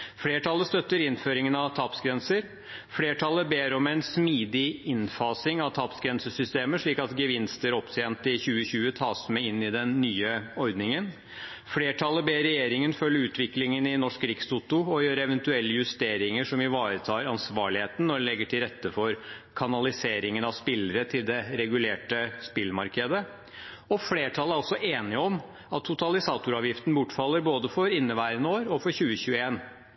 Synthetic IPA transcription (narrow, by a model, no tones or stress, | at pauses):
fleːʈʰɑlːəst̪œt̪ːəɾɪnføːɾɪŋənɑʋt̪ʰɑːpsɡɾɛnsəɾ | fleːʈʰɑlːəbeːɾɔmɛɪnsmiːd̪ɪɪnfɑːsɪŋɑʋt̪ʰɑːpsɡɾɛnsəsʏst̪eːməʂɭiːkɑt̪ɡəʋɪnst̪əɾɔpt̪eːnt̪ɪçʉːəɕʉːət̪ʰɑːsmɛɪnːɪd̪ɛnːyːəɔɾd̪nɪŋən | fleːʈʰɑlːəbeːɾɛjeːɾɪŋənfœlːəɾʉːt̪ʰʋɪklɪŋənɪnɔʂkɾɪksut̪ʊɔjøːɾɛʋənt̪ʉɛlːəjʉst̪eːɾɪŋəʂɔmɪʋɑːɾət̪ʰɑːɾɑnsʋɑ̰ːɭɪheːt̪n̩nɔɖɛlɛɡːəʈʰɪlɾɛt̪ːəfɔɾkʰɑnɑlɪseːɾɪŋənɑʋspɪlːəɾət̪ʰɪld̪ɛɾɛɡʉleːʈəspɪlmɑɾkʰəd̪ə | ɔfleːʈʰɑlˠəæɾɑlsɔʔeːnɪəɔm | ɑt̪ʰːʊt̪ʰɑlɪsɑːt̪ʊɾɑːʋjɪft̪n̩bʊʈːfɑlːəɾboːd̪əfɔɾɪnːəʋæɪɾənoːɾɔfɔɾçʉːəçʉːəeːn